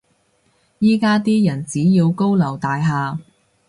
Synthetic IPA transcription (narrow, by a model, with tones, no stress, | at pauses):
jiː˥kaː˥t̪iː˥jɐ˨˩nt͡siː˨˥jiː˧wko˥wlɐ˨˩wt̪aː˨jɦaː˨˧